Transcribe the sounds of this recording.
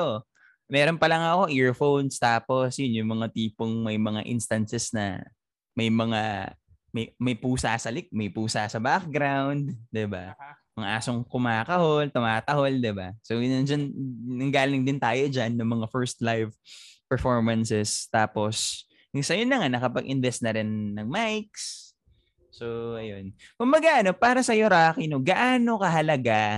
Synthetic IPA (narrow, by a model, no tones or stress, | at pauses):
o | mɛːɾo̞npɐlɐŋɐko̞ʔiɹfownst̪aːposjʊnjʊŋmɐŋat̪iːpoŋmɐjmɐŋaʔɪ̰nst̪ɐnsɛsnɐ̰ | mɐjmɐŋa | mɐjmɐjpuːsaːsɐlɪk̚mɐjpuːsaːsɐbak̚ɡɾawnd̪̚d̪ɪba̰mɐŋʔaːsoŋkʊmaːkɐholt̪ʊmaːt̪ɐho̞ld̪ɪbasoʊnɐnd͡ʒannɐŋɡaːlɪŋd̪ɪnt̪aːjod͡ʒanːɐmɐŋafɛɹst̪lajvpɛɹfoɹmɐnsɛst̪aːpo̞s | sɐjʊnːɐŋanɐkɐpɐɡʔɪnvɛst̪nɐɾɪnːɐŋmajks | soʔɐjo̞nkʊmbɐɡaʔɐno̞paːɾɐsɐjoɾaːkinoɡɐʔaːno̞kɐɦɐlɐɡa